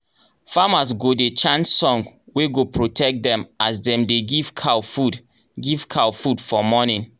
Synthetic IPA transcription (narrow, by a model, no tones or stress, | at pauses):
famas̬ɡodet͡ʃãnssɔ̃ŋɡweɡopɹotʰɛk̚dɛ̃masdɛ̃mdeɡiv̥kʰawfud | ɡiv̥kʰawfudfɔmɔnĩn